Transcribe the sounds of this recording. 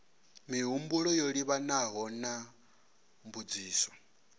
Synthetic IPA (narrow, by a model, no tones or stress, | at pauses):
miɦumbuɺɔjoɺiβanaɦɔna | mbud͡ziːsɔ̥